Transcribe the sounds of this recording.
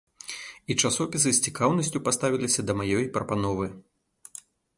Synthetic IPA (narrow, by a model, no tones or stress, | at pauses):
it͡ʂasɔpʲisɨsʲt͡sʲikawnɐsʲt͡sʲupast̪avʲilʲisʲɐd̪ɐmajɔjpɾɐpan̪ɔvɨ